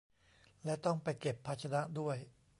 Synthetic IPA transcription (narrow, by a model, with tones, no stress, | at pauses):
lɛ˦˥t̪ɔ˥˩ŋpa˧jke˨˩pʰːa˦˥t̪̚t͡ɕʰa˧na˦˥ʔdu˥˩əj